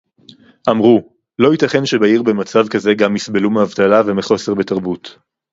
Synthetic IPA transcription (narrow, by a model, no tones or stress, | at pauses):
ʔamʁu | loitaχe̞nʃe̞baiʁbe̞mat͡savkaze̞ɡamːisbe̞lumeavt̪alave̞meχo̞seʁbe̞taʁbut